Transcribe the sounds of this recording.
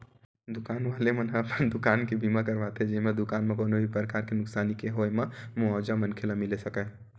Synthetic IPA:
d̪ʊkaːnʋalemənɦəpnd̪ʊkaːnkebimakəɾʋat̪ʰɦɛd͡ʒɛmẽd̪ʊkanmekoːnobʱipɾəkaɾkenʊksaːnikeɦojmemuad͡ʒamənkʰelamilesəkə

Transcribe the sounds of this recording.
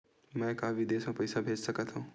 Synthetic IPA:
mɛ̃ːkaːbid̪eːsmẽpəjsabʱeːd͡ʒsəkat̪ɦũ

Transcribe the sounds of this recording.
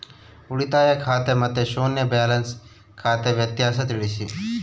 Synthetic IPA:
ʊɽit̪aːjakʰaːt̪emɐt̪eʃoːnjəbaːləns | kʰaːt̪eʋjət̪ɪjaːs̬ət̪ɪɽiʃḭː

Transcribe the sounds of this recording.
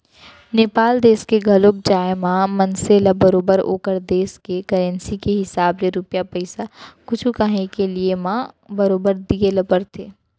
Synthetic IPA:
neːpaːld̪eːskeɡʱɐloːk̚d͡ʒaːemãːmɐ̃nselabɐɾoːbəɾo̰ːkəɾd̪eːskekɐɾɛ̃nsikeɦɪsaːbɾeɾʊpjapɐɪsakʊt͡ʃʰukaɦekeliemãː | bɐɾoːbəɾd̪ielɐpəɾt̪ʰeː

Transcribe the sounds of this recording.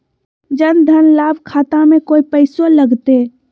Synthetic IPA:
d͡ʒənd̪ʱənlaːbkʰaːt̪ãmẽkoːipəɪsoləɡt̪e

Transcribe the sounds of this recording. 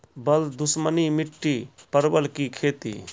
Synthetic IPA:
bəld̪ʊsmənimiʈːipəɾbəlkikʰeːt̪ḭ

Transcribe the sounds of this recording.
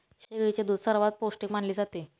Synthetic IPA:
ɕeʋɾit͡ɕed̪ud̪səɾʋat̪̚posʈikm̤aɳliːd͡zat̪e

